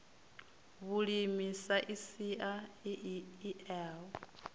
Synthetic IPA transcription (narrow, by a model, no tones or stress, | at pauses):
βuɺimisaʔisiʔa | iɛːl